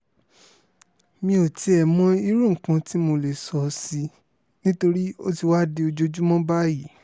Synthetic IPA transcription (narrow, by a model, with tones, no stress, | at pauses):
mĩ˧o˨ti˨˦ɛ˨mɔ̃˦i˧˦ɾũ˦˨kã˧ti˦mo˧le˨sɔ˨˦si˧ | nĩ˦to˧ɾi˦o˦ti˧wa˦de˧o˧d͡ʒo˧d͡ʒu˦mɔ̃˦ba˦ji˨˦